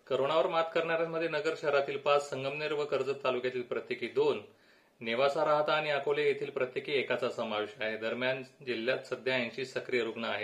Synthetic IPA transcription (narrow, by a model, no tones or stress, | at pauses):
kəɾoɳaʋəɾmat̪kəɾɳaɾjaməd̪ʱːjenəɡəɾɕɛɦɾat̪iːlpassəŋɡəmniɾʋəkəɾd͡zət̪ːalukjat̪iːlpɾət̪jekʰiːd̪onː | eʋasaɾaɦt̪aːɽ̃iakolejet̪ʰiːlpɾət̪jekiːekat͡sasəmaʋeɕaɦed̪əɾmjand͡ʑilːjat̪səd̪ʱjajãɲt͡ɕiːsəkɾijəɾuɡɳaaɦe